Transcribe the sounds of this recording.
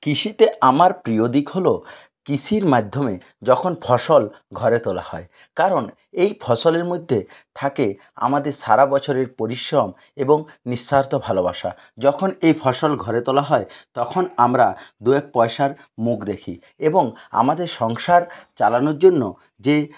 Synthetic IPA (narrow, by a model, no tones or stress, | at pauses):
kiʃit̪eamaɾpɾiod̪ikɦolo | kisʰiɾmad̪ʱːome | d͡ʑɔkʰonfʰɔʃol | ɡʱɔɾet̪ola̰hɔ̰e | kaɾon | ejpʰɔsoleɾmojd̪ʱːet̪ʰake | a̰mad̪eɾʃaɾabɔt͡ɕʰoɾeɾpoɾiʃɾom | eboŋniʃːaɾt̪obʱaloba̰ʃa̰ | d͡ʑɔkʰonejpʰɔʃolɡʱɔɾet̪olaɦɔet̪ɔkʰonamɾad̪uek̚pɔeʃaɾ | mukd̪ekʰḭ | eboŋa̰mad̪eɾʃɔŋʃaɾt͡ɕalanoɾd͡ʑonːo | d͡ʑe